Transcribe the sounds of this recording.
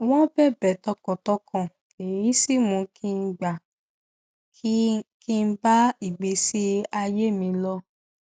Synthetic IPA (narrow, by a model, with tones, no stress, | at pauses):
w̃ɔ̃˦bɛ˦˨bɛ˨tɔ˧kɔ̃˨tɔ˦kɔ̃˦˨ | e˨ji˦si˦˨mũ˧kʰi˦˧n̩˦ɡ͡ba˨ | kki˦˧n̩˦ba˦i˨ɡ͡be˧˦si˦a˧je˦˨mĩ˧lɔ˦